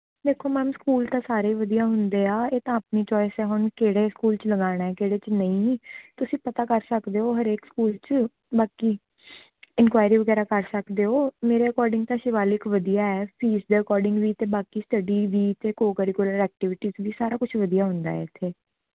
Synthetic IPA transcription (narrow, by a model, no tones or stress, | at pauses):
d̪eːkʰːoːmɛ̃ːmskuːlt̪ãːsaːɾeːʋəd̪ijaːɦʊnd̪eːaːeːt̪ãːəpniːt͡ʃɔːɪsɛːɦʊnkeːɽeːskuːlt͡ʃləɡaːɽ̃aːɛːkeːɽeːt͡ʃnəĩːt̪ʊsĩːpət̪aːkəɾsəkd̪eːoːɦəɾeːkskuːlt͡ʃ | baːkiː | ɪnkʋaːjɾiːʋəɡɛːɾaːkəɾsəkd̪eːɦoːmeːɾeːəkɔːɾɖɪ̃ŋɡ̚t̪ãːʃɪʋaːlɪkʋəd̪ijaːɛːpʰiːsd̪eːəkɔːɾɖɪ̃ŋɡʋiːt̪eːbaːkiːsʈəɖiːʋiːt̪eːkoːkəɾikʊləɾɛːk̚ʈɪʋɪʈiːzʋiːsaːɾaːkʊt͡ʃʰʋəd̪ijaːɦʊnd̪a̰ːɛ̰ːɪt̪ʰːeː